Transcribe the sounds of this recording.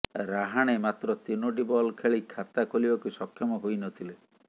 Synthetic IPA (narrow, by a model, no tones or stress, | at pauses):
ɾaɦaɽ̃emat̪ɾɔt̪inoʈibɔlkʰeɭikʰat̪akolibakusɔkʰjɔmɔɦojnɔt̪ʰile